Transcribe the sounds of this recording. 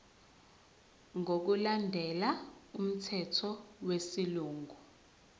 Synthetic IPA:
ŋok̬ulandʱɛlaum̩tʰɛtʰɔwesiluːŋʱu

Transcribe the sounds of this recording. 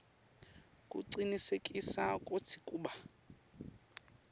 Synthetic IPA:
kʼṵǀinisekʼisakʼot͡sʰi̥kʼuːɓa

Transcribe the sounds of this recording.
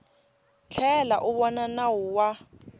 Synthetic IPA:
t͡ɬʰɛla̰ʔʊβɔnanawʊwa

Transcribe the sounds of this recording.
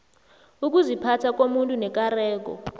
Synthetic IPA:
uk̬uzipʰatʰak̬omuntʼunɛk̬ʼarɛːk̬ɔ̰

